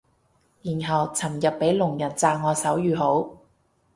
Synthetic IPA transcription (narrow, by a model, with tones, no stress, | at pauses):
jiː˨˩nɦɐ˨wt͡sʰɐ˨˩mjɐ˨p̚ːe˨˥jlʊ˨˩ŋjɐ˨˩nt͡saː˧ŋŋɔː˨˧sɐ˨˥wjyː˨˧ɦo˨˥w